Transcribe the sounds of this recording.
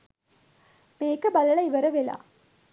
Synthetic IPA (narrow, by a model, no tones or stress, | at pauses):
meːkːɐbɐlɐɭɐɪʋɐɾɐʋela̰ː